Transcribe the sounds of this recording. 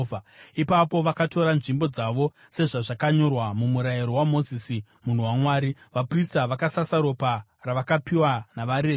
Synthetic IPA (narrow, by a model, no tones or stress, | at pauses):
aipapo̞ʋakato̞ɾanʐimbo̞d͡zaʋo̞ | se̞ʐaʐakaɲo̞rwamumuɾajiɾo̞wamo̞zisi | mun̤uwaŋwaːɾiʋapristaʋakasasaɾo̞pa | raʋakapiwanaʋaɾeː